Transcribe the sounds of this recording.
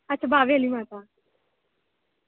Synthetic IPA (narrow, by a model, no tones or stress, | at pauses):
atːt͡ɕʰabaʋelimapa